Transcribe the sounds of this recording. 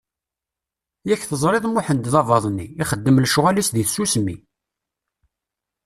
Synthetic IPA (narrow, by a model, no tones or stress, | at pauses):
jæçθəzˤɾˤeðˤmʊħənd̪ðɑvɑðˤnːiːχəd̪ːəmlʃʊʁælisðiθsusmi